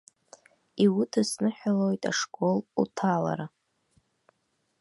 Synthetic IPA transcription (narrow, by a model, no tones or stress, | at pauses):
iwʊtʰɨsnɨħᶣalo̞jtʼa̰ʂkʼolutʰala̰ɾa